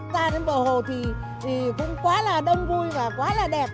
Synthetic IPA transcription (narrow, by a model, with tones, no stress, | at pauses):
t̪aː˧ɗe˨˦nɓəː˨˩ɦo˧˨t̪ʰi˨˩ | i˨˩kʊ̰˧˥ŋ͡mkwaː˨˦laː˨˩ɗə˧wŋ͡mvu˧jvaː˨˩kwaː˨˦laː˨˩ɗɛ˨˩p̚